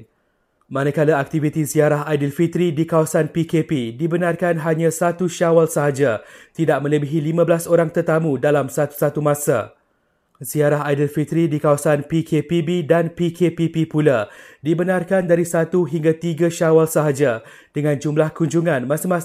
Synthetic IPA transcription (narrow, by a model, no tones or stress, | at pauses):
mãnəkalaak̚t̪ivit̪iziaɾaɦajdəlfit̪ɾidikawasanpikepidibənãrkanɦaɲãsat̪uʃawalsəɦad͡ʒat̪idaʔ̚mə̃ləbiɦilimãbəlasoɾaŋt̪ərt̪amũdalamsat̪u̥sat̪umãsa̰ | ziaɾaɦajdəlfit̪ɾidikawasanpikʰepibidanpikepipipuladibənãrkandaɾisat̪uɦiŋɡat̪iɡaʃawalsaɦad͡ʒa | d̥əŋãnd͡ʒumlahkuɲd͡ʒuŋãnmãsamãs